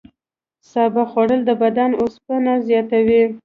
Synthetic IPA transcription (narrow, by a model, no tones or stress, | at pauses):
sɑbaxwaɽəld̪əbad̪anospənazjɑt̪awi